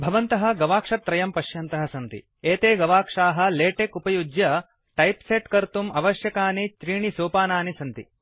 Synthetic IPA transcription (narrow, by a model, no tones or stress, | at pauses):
bʱɐʋɐnt̪ɐɦɐ̆ɡɐʋaːkʂɐt̪ːɾɐjɐmpɐʃjɐnt̪ɐɦɐsɐnt̪ḭ | eːt̪eːɡɐʋaːkʂaːɦɐ̆leːʈeːkupɐjud͡ʒjɐ | ʈɐjpseʈkɐɾt̪umɐʋɐʃjɐkaːnit͡ʃɾiːɳisoːpaːnaːnisɐnt̪ḭ